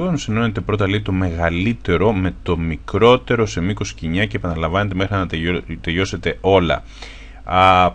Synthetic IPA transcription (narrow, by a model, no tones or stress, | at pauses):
onsino̞net̪epɾo̞t̪̬ɐleit̪o̞me̞ɣɐlit̪e̞ɾo̞me̞t̪o̞mikɾo̞t̪e̞ɾo̞se̞miko̞si̥ciɲɐce̞ːpɐnɐlɐɱvɐne̞t̪̬e̞mexɾiɐt̪eʎo̞se̞t̪e̞o̞lɐ̰